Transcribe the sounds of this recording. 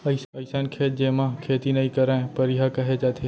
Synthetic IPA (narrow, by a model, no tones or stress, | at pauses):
ɐɪɐɪsankʰeːt̪̚d͡ʒeːmãkʰeːt̪inɐɦĩkɐɾãpɐɾɪɦakɐɦet͡ʃaːt̪ʰe